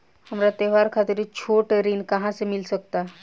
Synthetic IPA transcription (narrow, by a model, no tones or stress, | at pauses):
həmɾat̪eːʋaːɾkʰaːt̪ɪɾit͡ʃʰoːʈeɾinkɐɦãsemɪlsək̚t̪a